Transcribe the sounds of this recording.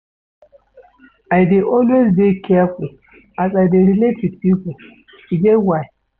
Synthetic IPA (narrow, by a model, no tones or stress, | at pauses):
aɪdeʔɔlwezbekʰɛful̩ | azaɪdeɾiletʰid̚pipl̩ | iɡewaɪ